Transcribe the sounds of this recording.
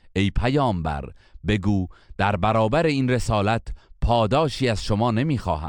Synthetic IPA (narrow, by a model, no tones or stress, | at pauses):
ʔe̞jpʰæjɒːmbæ̰ɾbe̞ɡuːd̪̥æɾbæɾɒːbæɾeiːnre̞sɒːlæt̪ʰpʰɒːd̪ɒːʃiːæz̥ʃomɒːne̞miːxɒ̰ːhæ̰m